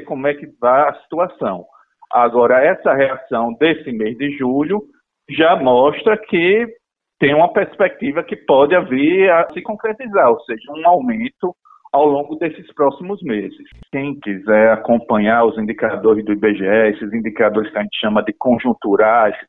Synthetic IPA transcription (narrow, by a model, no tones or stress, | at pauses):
kõmʊɛkɪvaɐsi̥t̪uasɐ̃w̃ | aɡɔɾɐɛsɐheasɐ̃w̃d̪esɪmezd̪ɪʒuʎʊ | ʒamɔʃt̪ɾɐkʰɪ | t̪ẽj̃ũmɐpeɾspek̚t̪ivɐkɪpɔd̪ɪaviɾɐsɪkõkɾet̪izaɾoseʒɐũawmẽt̪ʊ | awlõɡʊd̪esɪspɾɔsimʊzmezɪskẽj̃kizɛɾakõpɐ̃ɲaɾʊzĩnd̪ikad̪oɾɪzd̪ʊibeʒeɛesɪzĩd̪ikad̪oɾɪskɪaʒẽnt̪ɪ̥ʃɐ̃mɐd̪ɪkõʒũt̪uɾajs